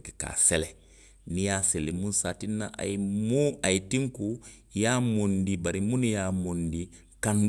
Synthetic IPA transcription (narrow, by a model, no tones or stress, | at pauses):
kɛka̰ːsɛlɛ | nijaselemũnsaːtinːaʔa̰jimũajitĩŋku | jamõndibaɾimũnjaːmondi | kãn